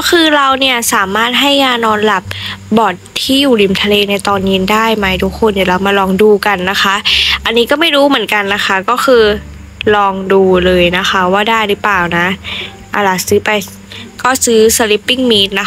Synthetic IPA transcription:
kɔː˥˩xʰɯː˧ɾa˧wni˥˩ɐsaː˨˩˦maː˥˩t̪̚ɦa˥˩jːaː˧nɔː˧nla˨˩p̚bɔː˨˩t̪t̪ʰːiː˥˩juː˨˩li˧˩mt̪ʰa˧leː˧na˧jt̪ɔː˧nɲi˧ndaː˥˩jma˦˥jt̪ʰu˦˥kʰːo˧njaː˨˩la˧wmaː˧lɔː˧ŋduː˧ka˧nːa˦˥xʰa˦˥ʔʔa˧nːiː˦˥kɔː˥˩ma˥˩jɾuː˦˥mɯ˨˩˦ə˦nka˧nːa˦˥xʰa˦˥kɔː˥˩xʰɯː˧ | lɔː˧ŋduː˧lɤː˧jna˦˥xʰa˦˥waː˥˩daː˥˩jlɯ˦˥plaː˨˩wna˦˥ʔ | ʔa˧˩la˨˩sɯː˦˥pa˧j | kɔː˥˩sɯː˦˥sa˧li˧˦˥pːi˥˩ŋmiː˦˥t̪̚na˦

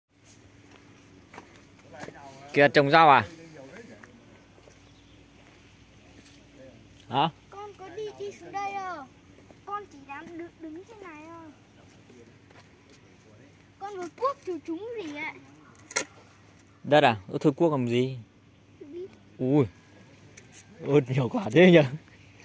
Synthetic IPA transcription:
ki˨˩ə˨˩t͡ɕə˨˩wŋ͡mzaː˧˩wʔaː˨˩ | haː˨˧˦kɔ˧nkɔ˨˦ɗi˧ɗi˧sɨ˨˦əŋɗə˧jʔə˧˩ | kɔ˧nt͡ɕi˧˩ɗaː˧˥mɗɨ˨˩ək̚ɗɨ˨˦ŋt͡ɕʰe˧nːaː˨˩jʔə˧˩j | kɔ˧nvə˨˦ku˦˥ək̚t͡ɕu˧˩t͡ɕʊ˨˦ŋ͡mzi˨˩ʔa˧˨ | ɗa˧˥taː˨˩ə˧˦t̪ʰɨ˧˩ku˦˥ək̚laː˨˩˨zi˨˩ | ʔu˧j | ʔə˦t̚ɲi˨˩əwkwaː˧˩t̪ʰe˨˦˧ɲə˧˩

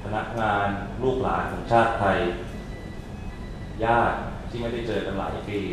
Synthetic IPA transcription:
pʰa˧na˦˥k̚ŋaː˧nluː˥˩k̚la̰ː˩˦nkʰɔː˩˦ŋt͡ɕʰaː˥˩t̪ʰːa˧j | jaː˥˩t̪̚t̪ʰːiː˥˩ma˥˩jda˥˩jt͡ɕɤː˧ka˧nla̰ː˩˦jpiː˧˩

